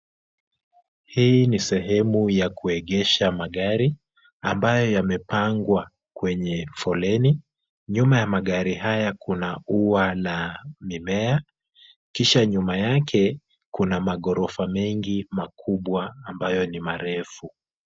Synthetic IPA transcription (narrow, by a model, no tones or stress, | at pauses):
hinisɛɦɛmujakuɛɠɛʃamaɠaɾi | ambajɔjamɛpaŋɡwa | kwɛɲɛfɔlɛni | ɲumajamaɠaɾihajakʰunaualamimɛa | kiʃaɲumajakʰɛ | kunamaɠɔɾɔfamɛŋɡimakʰuɓwaːmbajɔnimaɾɛfu